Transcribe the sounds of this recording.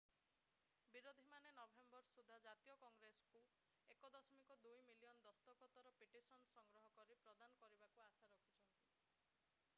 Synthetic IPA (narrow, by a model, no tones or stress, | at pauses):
biɾod̪ʱimanenɔbʱembɔɾsud̪ʱad͡ʒat̪ijɔkɔŋɡɾesɔ̥ku | ekɔd̪ɔsɔmikɔd̪ujmilijɔnd̪ɔst̪ɔkɔt̪ɔɾɔpiʈisɔnsɔŋɡɾɔɦɔkɔɾipɾɔd̪anɔkɔɾibakuasaɾɔkʰit͡ʃʰɔnt̪i